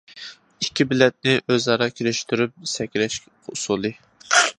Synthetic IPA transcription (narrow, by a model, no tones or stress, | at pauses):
ikʲʰːibɪlɛt̪̚nɪʔøzɑɾɑkʲʰeɾɪʃt̪ʰyɾyp̚sɛkʲɾɛʃ | ʊsulˠɨ